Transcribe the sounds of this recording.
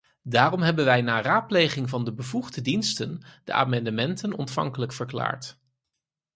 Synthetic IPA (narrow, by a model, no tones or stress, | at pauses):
daːrɔmɦɛbənʋɛjnaːraːt̚plejχɪŋvɑndəbəvuχdədinstənd̥ə̰ʔa̰ːmɑndəmɛntənɔ̰ntfɑ̰ŋkələkfəɹkla̰ːɹt